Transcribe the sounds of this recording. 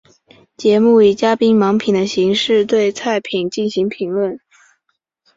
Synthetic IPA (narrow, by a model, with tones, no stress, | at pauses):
t͡ɕjɛ˧˥mu˥˩i˨˩t͡ɕja˥pi˥ŋmɑ˧˥ŋpʰi˨˩ŋd̪ə˦ɕi˧˥ŋʂɻ̩˥˧t̪we˥˩˧ɪt͡sʰa˥˩ɪpʰi˨˩nt͡ɕi˥˩nɕi˧˥ŋpʰi˧˥ŋlwə˥˩n